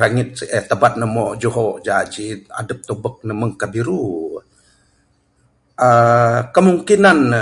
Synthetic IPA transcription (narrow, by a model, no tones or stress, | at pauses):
ɾaŋit̪̚ət̪əbat̪̚nəmod͡ʒuɦod͡ʒad͡ʒia̰dəp̚t̪obək̚nəməŋkabiɾu | əkəmuŋkinan